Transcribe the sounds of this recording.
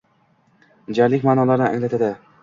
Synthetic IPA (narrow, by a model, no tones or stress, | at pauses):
d͡ʒaɾlɪkʲmaːnɒlaɾnɪʔa̰ŋlat̪ʰad̪ɪ